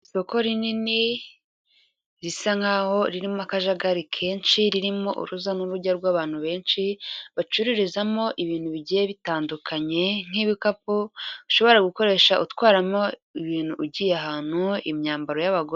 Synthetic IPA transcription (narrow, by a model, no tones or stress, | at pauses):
isoko̞ɾinini | ɾisaŋ̥haːho̞ɾiɾimoakaʒaɡaɾikʰe̞ːnʃiɾiɾimo̞̰ʔṵɾuzanuɾuɟaɾɡwaːβaːn̥huβe̞ːnʃiβat͡ʃuɾiɾizamo̞ʔiβiːn̥huβiɟijeβitaːndukʰaɲe̞ŋ̥iːβikapuuʃo̞βo̞ɾaɡuko̞ɾe̞ːʃaʔutwaːɾamo̞iβiːn̥huʔːɟiːjeaɦaːn̥huḭmɲaːmbaɾo̞jaβaɡo